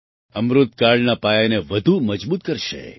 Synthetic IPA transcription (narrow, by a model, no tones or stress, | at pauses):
əmɾʊt̪̚kaɭnapajaneʋəd̪ʱuməd͡ʒbut̪̚kəɾʃḛ